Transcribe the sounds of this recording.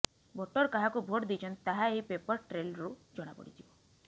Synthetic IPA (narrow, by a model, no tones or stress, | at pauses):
bʱoʈɔɾkaɦakubʱoʈd̪it͡ʃʰɔnt̪t̪aɦaeɦipepɔɾʈɾelɾud͡ʒɔɽ̃a̰pɔ̰ɽ̤it̪ʰibɔ